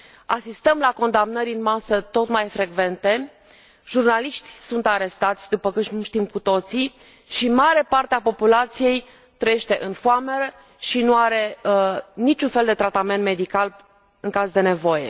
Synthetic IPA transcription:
a̰sist̪əmlako̞nd̪amnəɾʲɨnmasət̪o̞t̪majfɾe̞ɡve̞nt̪e̞ | ʒurnaliʃt̪ʲsunt̪aɾe̞st̪at̪sʲd̪upəkut̪ʃt̪imkut̪o̞t̪si | ʃimaɾe̞part̪eapo̞pulat̪sije̞j | t̪ɾəjeʃt̪e̞ʔɨnfoame̞ɾə | ʃinuaɾe̞ | nit͡ʃunfe̞ld̪e̞t̪ɾat̪ame̞nt̪me̞d̪ikal | ɨŋkazd̪e̞ne̞vo̞je̞̰

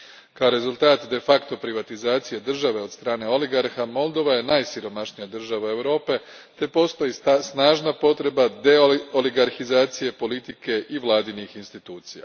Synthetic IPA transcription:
kaoɾe̞zulˠt̪aːt̪d̪e̞fakt̪o̞pɾiʋat̪izaːt̪sije̞d̪r̩ʒaʋe̞ost̪ɾaːne̞o̞liɡaɾxamo̞lˠd̪o̞ʋaje̞najsiɾo̞maʃnijad̪r̩ʒaʋae̞ʋɾo̞ːpe̞ | t̪e̞po̞st̪o̞jisnaːʒnapo̞t̪ɾe̞bad̪e̞oliɡaɾxizaːt̪sije̞po̞lit̪ike̞ʔiʋlˠaːd̪inixinst̪it̪uːt̪sija̰

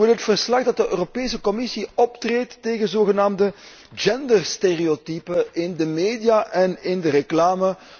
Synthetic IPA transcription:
ɪlɦətfərslɑɣdɑt̚dəʔøːropeːsəkɔmɪsiɔptreːtːeːɣənzoːɣənaːmdə | d͡ʒɛndərsteriotipəʔɪndəmeːdijaʔɛnɪndəɾəklaːmə

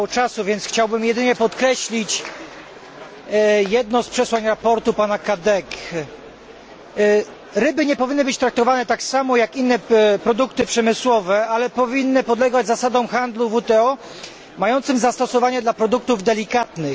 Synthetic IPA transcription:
ɔt͡ʂasuvʲjɛnt̪sxt͡ɕawbɘmjɛd̪ɘɲɛpɔt̪kɾɛɕlʲit͡ɕ | jɛd̪nɔ̃spʂɛswaɲɾapɔɾt̪upanakad̪ɛk | ɾɘbɘɲɛpɔvʲinːɘbɘt͡ɕt̪ɾak̚t̪ɔvanɛt̪aksamɔjakinːɛpɾɔd̪ukt̪ɘpʂɛmɘswɔvɛalɛpɔvʲinːɘpɔd̪lɛɡad͡ʑzasad̪ɔ̃w̃xand̪luvut̪ɛɔ | majɔnt̪sɘmzast̪ɔsɔvaɲɛd̪lapɾɔd̪uk̚t̪uvd̪ɛlʲikat̪nɘx

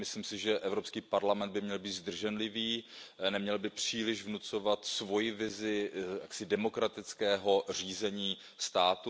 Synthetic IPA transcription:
mɪslimsɪʒɛʔɛvɾo̞pskiːpaɾlamɛnd̪̚bɪmɲɛlbiːt̪zd̪r̩ʒɛnlɪviːnɛmɲɛlbɪpr̝̥iːlɪʒvnut͡so̞vat̪svo̞jɪvɪzɪja̰ksɪdɛmo̞kɾat̪ɪt͡skɛːɦo̞r̝iːzɛɲiː | st̪aːt̪u

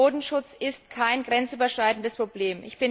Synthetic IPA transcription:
oːdn̩ʃʊt͡sɪstkʰaɪnɡʁɛnt͡sʔyːbɐʃʁ̥aɪtn̩dəspʁ̥obleːmʔɪ̰çb̥ɪn

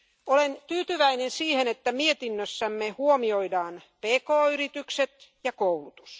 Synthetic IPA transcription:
olent̪yːt̪yʋæinensiːhenet̪ːæmiet̪inːøsːæmːehuomioidɑːnpeːkoːyrit̪ykset̪jɑkoulut̪u̥s

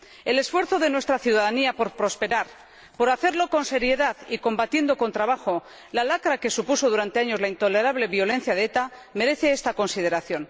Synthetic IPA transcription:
e̞le̞sfwe̞ɾθo̞ðe̞nwe̞st̪ɾaθjuðaðaniapo̞ɾpɾo̞spe̞ɾaɾ | po̞ɾaθe̞ɾlo̞ko̞nse̞ɾje̞ðaðiko̞mbat̪je̞nd̪o̞ko̞nt̪ɾaβaxo̞ | lalakɾake̞supuso̞ð̞uɾant̪e̞aɲo̞zlaint̪o̞le̞ɾaβle̞βjo̞le̞n̟θjað̞eet̪ame̞ɾe̞θe̞est̪ako̞nsið̞e̞ɾaθjo̞n

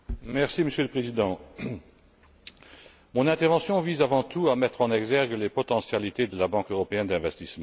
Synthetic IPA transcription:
mɛʁsiməsjøləpχezid̪ɑ̃ | mɔ̃nɛ̃t̪ɛʁvɑ̃sjɔ̃vizavɑ̃t̪ʰuamɛt̪χɑ̃nɛɡzɛʁɡəlepɔt̪ɑ̃sjalit̪ed̪əlabɑ̃køʁɔpeɛnd̪ɛ̃vɛst̪ismɑ̃

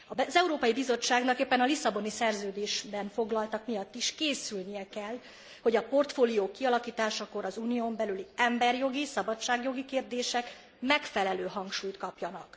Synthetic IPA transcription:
ɒbzɛuɾoːpɒjibizo̞t͡ʃːaːɡnɒkeːpːɛnɒlisɒbo̞nisɛrzøːd̪eːʃbɛnfo̞ɡlɒlt̪ɒkmijɒt̪ːiʃkeːsylnijɛkɛl | ho̞ɟɒpo̞rt̪foːlijoːkːiɒlɒkiːt̪aːʃɒko̞ɾɒzuːnijombɛlyliɛmbɛrjo̞ɡisɒbɒt͡ʃːaːɡjo̞ɡikeːrd̪eːʃɛk | mɛkfɛlɛløːɦɒŋkʃuːjt̪kɒpjɒnɒk

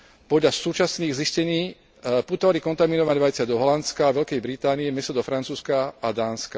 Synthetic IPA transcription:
pɔdʎasuːt͡ʃasniːɣziscɛɲiː | put̪ɔʋalikɔnt̪aminɔʋaɲʋajt͡sɪad̪ɔɦɔlant͡skaːʋɛlkɛjbɾit̪aːniɛmɛst̪ɔd̪ɔfɾant͡suːskaːd̪aːnska

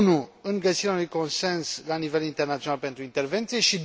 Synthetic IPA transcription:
nuɨŋɡəsiɾeaunujko̞nse̞nslanive̞lint̪ernat̪ionalpe̞nt̪ɾuint̪e̞rve̞nt̪sije̞ʃid̪

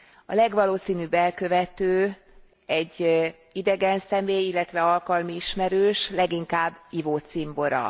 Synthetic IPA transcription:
ɒ̰lɛɡʋɒloːsiːnyːbɛlkø̞vɛt̪øː | ɛɟː | id̪ɛɡɛnsɛmeːjilːɛt̪ʋɛɒlkɒlmiiʃmɛɾøːʃlɛɡiŋkaːbːivoːt̪simbo̞ɾɒ̰

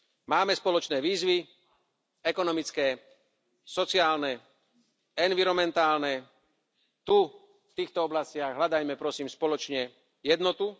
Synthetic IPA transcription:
maːmɛspɔlɔt͡ʃnɛːʋiːzʋi | ɛkɔnɔmit͡skɛː | sɔt͡sɪaːlnɛ | ɛnʋiɾɔmɛnt̪aːlnɛ | t̪u | ft̪iːxt̪ɔɔblascɪaɣɦlad̪ajmɛpɾɔsiːmspɔlɔt͡ʃɲɛ | jɛd̪nɔt̪u

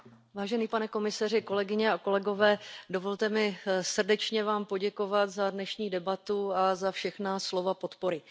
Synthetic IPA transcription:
vaːʒɛniːpanɛko̞mɪsar̝ɪko̞lɛɡɪɲɛako̞lɛɡo̞vɛːdo̞vo̞lt̪ɛmɪsr̩dɛt͡ʃɲɛvaːmpo̞ɟɛko̞vat̪zadnɛʃɲiːdɛbat̪uazafʃɛxnaslo̞vapo̞t̪po̞ɾɪ

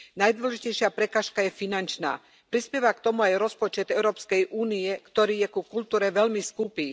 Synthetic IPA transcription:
najd̪ʋɔlɔʒicɛjʃɪapɾɛkaːʃkajɛfinant͡ʃna̰ː | pɾispjɛʋakt̪ɔmuajɾɔspɔt͡ʃɛd̪ɛʊɾɔːpskɛjʔuːniɛkt̪ɔɾiːjɛkukult̪uːɾɛʋɛlmiskupiː

